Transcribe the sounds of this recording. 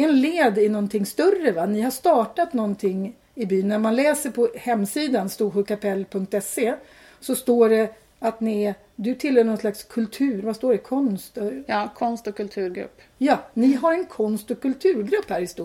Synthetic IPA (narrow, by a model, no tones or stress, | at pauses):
ɛnleːd̪ɪnɔnt̪ʰɪŋst̪ɵrːəvanɪhaʂt̪ɑːʈat̪nɔnt̪ʰɪŋː | ɪbyːnːæɾmanlɛːsəɾpʰɔhɛmːsiːd̪anst̪uːɧʉkapʰɛlːpʰɵŋk̚t̪ɛse | sɔst̪oːɖɛ | at̪nɪ | d̪ɵt̪ʰɪlːhœːɾɳɔnslakskʰɵlt̪ʰʉ̟ːɾvast̪oːɖɛkʰɔnst̪ɑːkʰɔnst̪ɔkʰːɵlt̪ʰʉ̟ːɾɡɾɵ̰pː | jɑːnɪɦaɾɛnkʰɔnst̪ɔkʰːɵlt̪ʰʉ̟ːɾɡɾɵpːhæːɾhɪst̪u